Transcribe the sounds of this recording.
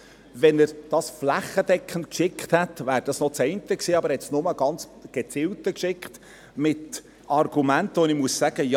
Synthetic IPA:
vɛnəɾd̥ɑsflæχəd̥̪ɛkχən̩kʃɪkχt̪hɛtvæːɾd̥ɑsnɔt͡sɛɪntəksiːɑbəɾhɛtsnʊməɡ̥ɑnt͡s | ɡ̥et͡sɪltəkʃɪkχt̪ | mɪt | ɑrɡ̥umæntəʋonɪmuəssæɡ̥əjɑ

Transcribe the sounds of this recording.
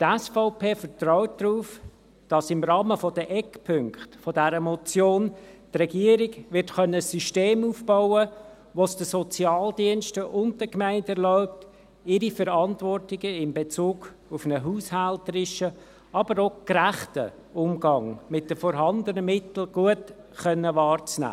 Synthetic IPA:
tɛsfɔʊpʰeːfətɾɔʊt̚d̥ɾuːf | d̥ɑsɪmɾɑːməfɔdəʔɛkpʰʏŋkχtfɔdɛɾəmɔt͡sjoːntrɛɡiəɾɪɡʋɪrtχœnːəsyʃteːmuːfb̥aʊə | ʋosd̥əsɔt͡sjɑːldiənʃtəʔʊnd̚d̥əkmæɪntɛɾlɔʊp̚t | ɪɾifəɾɑntvɔrtɪɡəɪmbet͡suːɡ̥ | ufnəɦuːshæltəɾɪʃə | ɑbəɾokɾæχtə̰ | ʊmɡɑŋmɪt̚dəfɔɾɦɑndənəmɪtl̩ɡ̥uət | χœnːəʋɑːrt͡snæ̰ː

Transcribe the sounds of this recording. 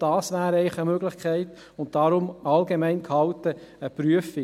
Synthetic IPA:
d̥ɑːsʋæːɾəɛɪχəmøɡlɪχkʰɛɪt̪ | ʊnt̚d̥ɑɾʊmɑlɡemɛɪnkhɑlt̪əəpɾyəfɪ

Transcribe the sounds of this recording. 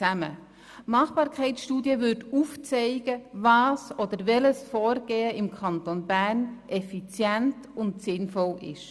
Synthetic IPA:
æmə̰ | mɑχb̥ɑːɾkʰɛɪtsʃtuːdjəvʏtuft͡sɛɪɡ̥əvɑːsod̥̪əɾvɛləsfɔːɾɡ̥eːəʔɪmkʰɑnt̪onbæːrnʔɛfit͡sjɛnt | ʊntsɪnfɔlɪ̰ʃ

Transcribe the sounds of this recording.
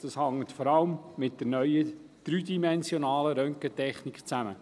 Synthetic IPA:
d̥ɑshɑŋːətfɔɾɑləmːɪt̚d̥əɾnœʏə | d̪̥ɾyːdimɛnzjonɑːləɾœŋkətɛχnikt͡sæmə

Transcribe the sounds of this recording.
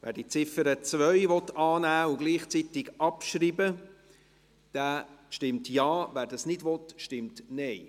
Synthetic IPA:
væ̰ːɾdit͡sɪfəɾət͡svœʏvɔtːɑːnæːʊɡliːχt͡sitɪɡʔɑpʃɾiːbə | d̥æːʃtɪmtjɑːvæːɾdɑsnɪdʋɔtʃtɪmtnɛɪ

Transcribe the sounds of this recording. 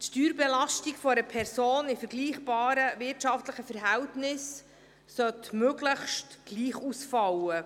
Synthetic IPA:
tʃtyːɾbɛlɑʃtiɡfɔɾəpʰɛɾsoːnɪfəɾɡ̥liːχb̥ɑːɾəvɪrtʃɑftləχəfɛɾɦɛwtnɪs | sœtmøɡləχʃtɡ̥liːχusfɑwə

